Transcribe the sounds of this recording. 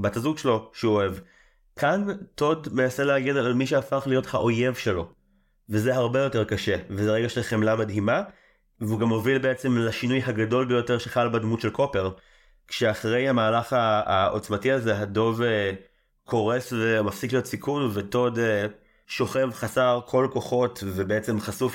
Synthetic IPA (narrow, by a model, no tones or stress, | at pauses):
batazuɡʃelo̞ʃeoev | kʰanto̞dmenase̞leaɡedalalmiʃ̬eafaχlijo̞thaʔo̞je̞vʃe̞lo̞ | vezeɦaʁbejo̞te̞ʁkaʃe̞vezeʁeɡaʃelχemlamadɦima | veuɡamo̞vilbe̞et͡se̞mlaʃinujɦaɡado̞lbejo̞teʁʃeχalbadmutʃe̞lkʰo̞pe̞ʁ | kʃeaχʁe̞jhamaːlaχaːʔo̰t͡smatiazeɦado̞ve | kʰo̞ʁe̞svemafsiklijo̞tsikunveto̞d | ʃo̞χe̞vχasaʁkʰo̞lko̞χo̞tvebeet͡se̞mχasuf